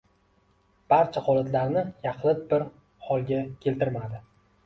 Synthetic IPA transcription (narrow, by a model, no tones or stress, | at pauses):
b̥aɾt͡ʃʰaχɒlˠat̪laɾnɪjɑqʰlˠɪt̪̚bɪɾ | hɒlˠɡʲakʲʰe̞lt̪ɪɾmad̪ɪ